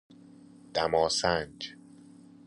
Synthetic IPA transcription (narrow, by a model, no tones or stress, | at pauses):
d̪̥æmɒːsænd͡ʒ